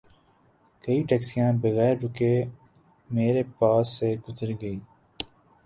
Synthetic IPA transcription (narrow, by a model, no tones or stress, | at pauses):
kəiʈɛːksijãːnbəɣɛːɾɾʊkeː | meːɾepaːsːeɡʊzəɾɡəiː